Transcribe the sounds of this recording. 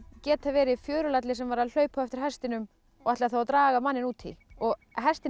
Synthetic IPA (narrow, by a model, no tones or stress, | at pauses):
cɛːt̪avɛːɾɪfjœːɾʏlat̪lɪsɛmvaɾaðl̥œːɥphɔɛft̪ɪɾ̥hɛst̪ɪnʏm | ɔɣaht̪lɪaθawat̪ɾaːɣamanːɪnuːt̪ʰḭlɔɣ | ɦɛst̪ɪ